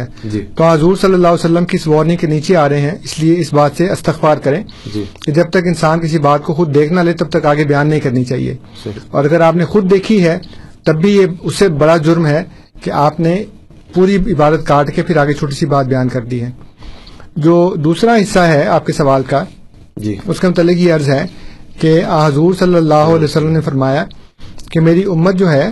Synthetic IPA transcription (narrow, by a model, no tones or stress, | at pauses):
ɛt̪oãɦɐzuːɾsɐlːəlːaːɦsɐlːəmkiɪsʋɔːɾnɪ̃ŋkeniːt͡ʃeaːɾɐɦeɦɛ̃ɪslieɪsbaːt̪seɐst̪ɪxfaːɾkɐɾẽː | d͡ʒked͡ʒɐb̚t̪ɐkɪnsaːnkɪs̬ibaːt̪̚koxʊd̪̚ːeːkʰnaleːt̪ɐb̚t̪ɐkaːɡebɐjaːnːɐɦĩkɐɾnit͡ʃaːɦḭḛː | ɔ̰ːɾɐɡəɾaːpnexʊd̪̚ːeːkʰiɦɛt̪ɐbːijeʊsːebɐɽad͡ʒʊɾmɦɛ | keʔaːpne | puːɾiɪbaːd̪ət̪̚kaːɾʈkepʰɪɾaːɡet͡ʃʰoːʈ̬isibaːt̪̚bɐjaːnkɐɾd̪iɦɛ̃ː | d͡ʒoːd̪uːsɾaɦɪsːaɦɛaːp̚kesɐʋaːlka | ʊskemʊt̪aːlːɪkjeɐɾzɦɛkeãːɦɐzuːɾsɐlːəlːaːɦoɐlɛːosɐlːəmnefɐɾmaːja | kemeːɾiʊmːət̪̚d͡ʒoːɦɛː